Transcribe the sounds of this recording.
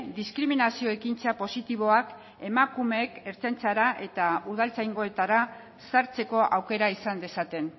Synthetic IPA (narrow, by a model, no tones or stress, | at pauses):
d̪iskɾiminasio̞e̞kint͡sapo̞sit̪iβ̞o̞ak | e̞makume̞ke̞ɾt͡sant͡saɾaʔe̞t̪auðalt͡sajŋɡo̞e̞t̪aɾa | saɾt͡se̞ko̞ʔawke̞ɾaisand̪e̞sat̪e̞n